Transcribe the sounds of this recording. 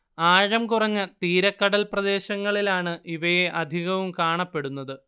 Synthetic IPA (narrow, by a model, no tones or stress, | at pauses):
aːɻɐmkurɐɲːɨt̪iːɾɐkːɐɽɐlprɐd̪e̞ːɕɐŋːɐɭilaːɳɨʔiʋɐjeʔɐd̪ʱiɣɐʋumkaːɳɐpːe̞ɽunːɐðɨ